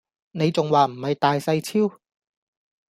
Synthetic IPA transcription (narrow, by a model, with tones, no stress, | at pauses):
ne˨˧jt͡sʊ˨ŋwaː˨˩m̩˨˩hɐ˨jt̪aː˨jsɐ˧jt͡sʰiː˥w